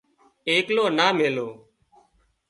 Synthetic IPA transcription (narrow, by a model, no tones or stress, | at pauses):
eːkloːnaːmeːloː